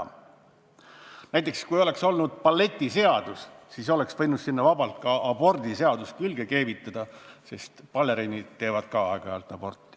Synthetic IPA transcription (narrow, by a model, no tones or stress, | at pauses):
næjt̪ːˑe̞kskujo̞le̞kso̞lnud̪̥̚pɑlːe̞t̪ʲˑːise̞ɑd̪̥ussis̬o̞le̞ksvɤ̞jnud̪̥sinːɑvɑbɑlt̪̚kɑɑb̥o̞rd̪̥ise̞ɑd̪̥uskylɡe̞keːvit̪ːˑɑd̪̥ɑse̞st̪pɑlːeɾenʲid̪t̪e̞ːvɑd̪̥kɑɑeɡ̥ɑejɑlt̪ːˑɑb̥o̞rt̪ːˑi̥